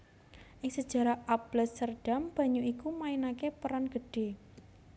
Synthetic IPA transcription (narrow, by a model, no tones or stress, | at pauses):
ʔɪŋsəd̥ʒ̥a̤ɾahʔabləsərɖ̥a̤mb̥a̤ɲuikumainakepəɾanɡ̥ə̤ɖ̥e̤